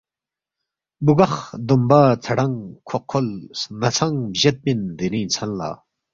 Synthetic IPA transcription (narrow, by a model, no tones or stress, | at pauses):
bukaχd̪ombat͡sʰəɽaŋkʰoχkʰːolsnat͡sʰaŋbʑat̪̚pend̪enint͡sʰanla̰